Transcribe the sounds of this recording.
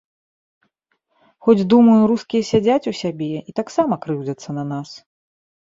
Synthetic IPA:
xɔd͡zʲd̪umɐjuɾuskʲijɐsʲad͡zʲat͡sʲusʲabʲɛit̪aksamɐkɾɨwd͡zʲɐt̪sːɐnɐnas

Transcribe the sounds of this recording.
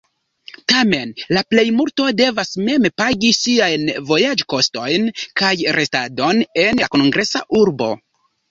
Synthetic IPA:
tame̞nlaple̞jmulto̞de̞vasme̞mpaɡisiajnvo̞jad͡ʒko̞sto̞jnkajɾʔe̞stado̞ne̞nako̞nɡɾe̞sa̰ʔuɾbo̞̰

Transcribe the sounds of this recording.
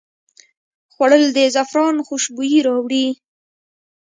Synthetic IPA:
xwaɽəld̪ezafɾɑnxuʃbujiɾɑwɽi

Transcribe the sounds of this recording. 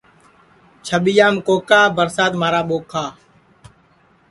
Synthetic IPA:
t͡ʃʰəɓijaːmkoːkaːbəɾsaːt̪maːɾaːɓoːkʰaː

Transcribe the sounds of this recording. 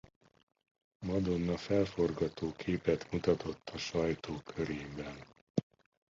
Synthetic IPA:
mɒd̪o̞nːɒfɛlfo̞rɡɒt̪oːkʰeːpɛt̪mut̪ɒt̪o̞t̪ʰːɒʃɒjt̪oːkʰøɾeːbɛn

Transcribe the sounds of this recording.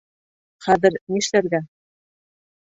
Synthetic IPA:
χæðɘ̆ɾniʃlæɾɡæ

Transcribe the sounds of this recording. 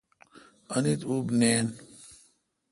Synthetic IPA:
anit̪ubnen

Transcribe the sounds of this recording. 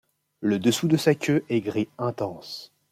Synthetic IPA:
ləd̪əsud̪əsakʲʰøʔɛɡʁiɛ̃t̪ɑ̃s

